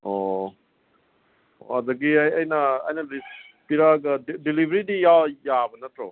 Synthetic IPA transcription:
o | a̰dɐɡiajɐjnɐ̰ːjnɐlis | piɾaɡɐdilibɾidijawjabɐnɐtɾo

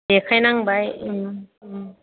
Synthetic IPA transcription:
dekʰajnaŋbajɯ

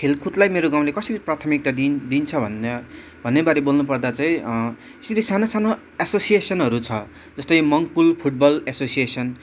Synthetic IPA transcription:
kʰelkʰuʈlajmeɾoɡaw̃lekʌsʌɾiprat̪ʰʌmik̚t̪ad̪ind̪int͡sʰʌbʱʌnʌ | bʱʌnːebaɾebolnupʌrd̪at͡saĩ | siɾisanosano | asosiesʌnɦʌɾut͡sʰʌ | d͡zʌst̪ʌjmʌŋɡpulpʰuʈ̚bʌlesosijesʌn

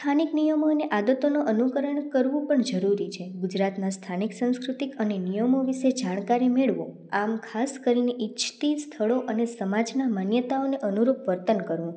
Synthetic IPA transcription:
t̪ʰaniknijəmoneʔad̪ət̪onoʔənukəɾəɳkəɾʋũpəɳd͡ʒəɾuɾit͡ʃʰeɡud͡ʒɾat̪nast̪ʰaniksə̃ñskɾut̪ikənenijəmoʋiʃed͡ʒaɽ̃kaɾimeɭʋõ | amkʰaskəɾineʔit͡ʃʰt̪ist̪ʰəɭoʔənesəmad͡ʒnamanjət̪aoneʔənuɾupʋəɾt̪ənkəɾʋũ

